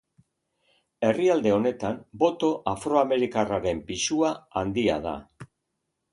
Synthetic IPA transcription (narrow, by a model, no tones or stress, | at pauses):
e̞riald̪e̞o̞ne̞t̪ambo̞t̪o̞ʔafɾo̞ame̞ɾikaraɾe̞mpisuaand̪ia̰ð̞a̰